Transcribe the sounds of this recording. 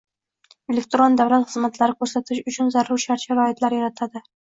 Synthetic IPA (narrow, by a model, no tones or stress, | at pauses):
e̞lek̚t̪ɾond̪avlat̪χɨzmat̪laɾɪkʰɵɾsat̪ʰɪʃʊt͡ʃʰʊnzaɾuɾʃaɾʃaɾɒɪt̪laɾjaɾat̪ʰad̪ɪ